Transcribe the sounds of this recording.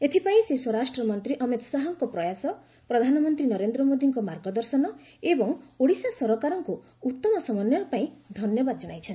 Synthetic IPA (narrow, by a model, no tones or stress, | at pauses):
et̪ʰipaĩseswɔɾasʈɾɔmɔnt̪ɾiʔɔmit̪ɔsaɦɔŋkɔpɾɔjasɔ | pɾɔd̪ʱanɔmɔnt̪ɾinɔɾend̪ɾɔmod̪iŋkɔmaɾɡɔd̪ɔɾsɔnɔ | ebɔŋoɽisasɔɾɔkaɾɔŋku | ut̪ːɔmɔsɔmɔnɔpaĩd̪ʱɔnjɔbad̪ɔd͡ʒɔɽ̃ajt͡ʃʰɔn